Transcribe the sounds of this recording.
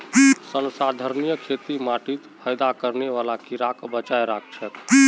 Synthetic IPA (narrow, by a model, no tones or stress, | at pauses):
sənsad̪ʱəɾnijəkʰet̪imaʈit̪pʰəjd̪akəɾneʋalakiɾakbət͡ʃajɾak̚ʰt͡ʃʰɛt̪